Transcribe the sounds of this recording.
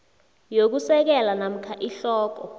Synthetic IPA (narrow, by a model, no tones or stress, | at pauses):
jok̬usɛk̬ɛlanam̩kʰaʔiɬɔːk̬ɔ